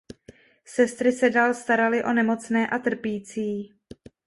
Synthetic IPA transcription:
sɛst̪ɾɪsɛdaːlst̪aɾalɪʔo̞nɛmo̞t͡snɛːʔat̪r̩piːt͡siː

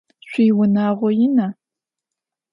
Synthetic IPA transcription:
ɕʷiːwʊnaːʁʷɔjɪna

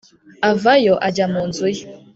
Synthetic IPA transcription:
avajɔʔad͡ʒamɔnd͡zuj

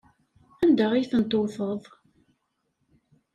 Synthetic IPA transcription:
æmd̪əʁijθənt̪ˤːoθəðˤ

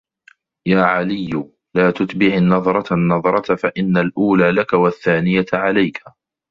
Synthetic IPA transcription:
jaːʕalɪjːʊ | laːt̪ʊt̪bɪʕnːɑðˤɾˤɑnːɑðˤɾˤɑt̪faʔɪnːalʔuːlaːlakawaθːaːnɪjaʕalajkʰa

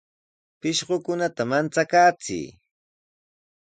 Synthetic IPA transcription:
pɪʃɢokʊnat̪amant͡sakaːt͡sɪ̰ː

